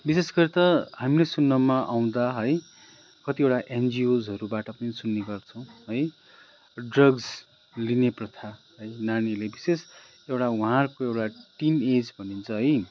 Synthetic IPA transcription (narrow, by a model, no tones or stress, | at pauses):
bisesɡʌɾit̪ʌhamilesunːʌmaʔaw̃d̪aɦʌj | kʌt̪iewʈaʔend͡ziod͡zɦʌɾubaʈʌpʌnisunːeɡʌrt͡sʰʌ̃w̃ɦʌj | ɖrʌɡs | lineprʌt̪ʰaɦʌjnañilebises | ewʈawuɦãrkoewʈaʈimed͡zbʱʌnint͡sʰʌɦʌj